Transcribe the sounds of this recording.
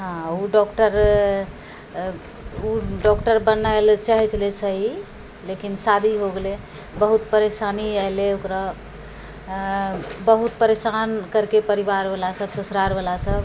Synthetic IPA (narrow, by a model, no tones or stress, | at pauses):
ɦãuɖɔkʈəɾ | uɖɔkʈəɾbənaelt͡ʃaɦɛt͡ʃʰlesəɦi | lekinsad̪ʱiɦoɡele | bəɦut̪pəɾesaniɛleokɾa | bəɦut̪̚pəɾesankəɾkepəɾibaɾbəlasəbsusɾaɾbəlasəb